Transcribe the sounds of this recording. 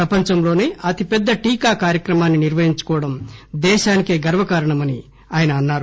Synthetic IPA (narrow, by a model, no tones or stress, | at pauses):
ɾɐpɐɲt͡ʃɐmlo̞ːne̞ːʔɐt̪ipɛd̪ːɐʈiːkaːkaːɾjɐkɾɐmaːnːiniɾʋɐɦiɲt͡ʃu̥kɔːʋɐɽɐmd̪ɛːʃaːnike̞ːɡɐɾʋɐkaːɾɐɳɐmɐni | aːjɐnɐːnːaːɾu